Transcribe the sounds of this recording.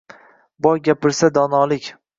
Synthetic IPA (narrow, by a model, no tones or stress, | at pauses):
bɒjɡʲapɪɾsad̪ɒnɒlˠɪkʲ